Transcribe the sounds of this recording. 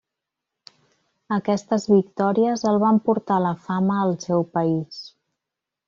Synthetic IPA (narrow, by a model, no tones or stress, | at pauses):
əkɛst̪əzβik̚t̪ɔɾiəzəlˠβ̞ampuɾt̪aləfaməːlˠsɛwpəis